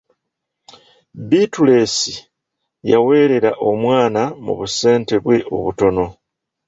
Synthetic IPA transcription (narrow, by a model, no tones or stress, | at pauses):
bitule̞si | jawe̞ːɾe̞ɾaʔo̞mwaːnamṵβuse̞ːnte̞βwe̞ʔo̞̰βuto̞no̞